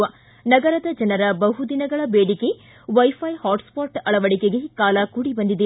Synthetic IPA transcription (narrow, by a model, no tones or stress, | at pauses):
ʋɐ | nɐɡɐɾɐd̪ɐd͡ʒɐnɐɾɐbɐɦud̪inɐɡɐɭɐbeːɽike̞ | ʋɐjpʰɐjhaːʈspaːʈɐɭɐʋɐɽikeɡe̞kaːlɐkuɽibɐnd̪id̪e